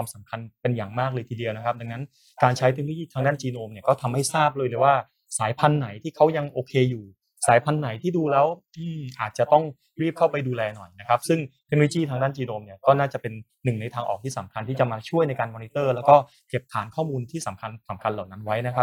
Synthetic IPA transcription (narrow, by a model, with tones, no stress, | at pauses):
aː˧msa˩˦mkʰa˧npe˧nja˨˩ŋmaː˥˩k̚lɤː˧t̪ʰiː˧di˧əwna˦˥kʰa˦˥p̚da˧ŋna˦˥n | kaː˧nt͡ɕʰa˦˥jt̪e˧k̚no˧˦t͡ɕiː˥t̪ʰaː˧ŋdaː˥˩nt͡ɕiː˧noː˧mni˥˩ɐkɔː˥˩t̪ʰa˧mha˥˩jsaː˥˩p̚lɤː˧lɤː˧jwaː˥˩ | saː˩˦jpʰa˧nːa˩˦jt̪ʰiː˥˩kʰa˦˥wja˧ŋʔoː˧kʰeː˧juː˨˩ | saː˨˩˦jpʰa˧nːa˩˦jt̪ʰiː˥˩duː˧lɛː˦˥wʔɯː˧˩ʔaː˨˩t̪̚t͡ɕa˨˩t̪ɔ˥˩ŋ | ɾiː˥˩p̚kʰa˥˩wpa˧jduː˧lɛː˧nɔ˨˩jna˦˥kʰa˦˥p̚sɯ˥˩ŋt̪ʰe˧k̚noː˧lo˧t͡ɕiː˥˩t̪ʰaː˧ŋdaː˥˩nt͡ɕiː˧noː˧mni˥˩ɐkɔː˥˩naː˥˩t͡ɕa˨˩pe˧nːɯ˨˩ŋna˧jt̪ʰaː˧ŋʔɔ̰ː˨˩t̪ʰiː˥˩sa˩˦mkʰa˧nt̪ʰiː˥˩t͡ɕa˨˩maː˧t͡ɕʰu˥˩əjna˧jkaː˧nmɔː˧ni˦˥t̪ɤː˥˩lɛː˦˥wkɔː˥˩ | ke˨˩p̚t̪ʰaː˩˦nkʰɔː˥˩muː˧nt̪ʰiː˥˩sa˨˩˦mkʰa˧nsa˩˦mkʰa˧nlaː˨˩wna˦˥nwa˦˥jna˦˥kʰa˦˥p̚